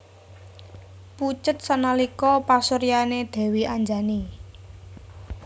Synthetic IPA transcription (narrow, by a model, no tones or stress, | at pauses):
put͡ʃət̪̚sanalikɔpasoɾianed̪̥ɛ̤wiaɲd͡ʒani